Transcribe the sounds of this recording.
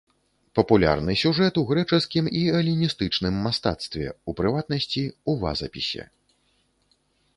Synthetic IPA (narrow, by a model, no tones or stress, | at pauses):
pɐpulʲa̰rnɨsʲuʐɛt̪uɣɾɛt͡ʂɨskʲimiɐlʲinʲist̪ɨt͡ʂnɨmːast̪a̰t̪st̪vʲɛ̰upɾɨvat̪̚nɐsʲt͡sʲiuva̰zɐ̰pʲisʲɛ̰